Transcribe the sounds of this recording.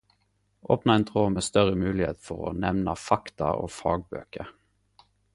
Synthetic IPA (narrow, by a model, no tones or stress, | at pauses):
ʔoːpnɑɛnt̪ʰʁoːmeːst̪œʁəmʉːlɪhḛːt̪fɔʁo̰ːnɛʋnɑfɑkt̪ɑ̰ʔo̰ːfɑːɡ̚bø̰ːkə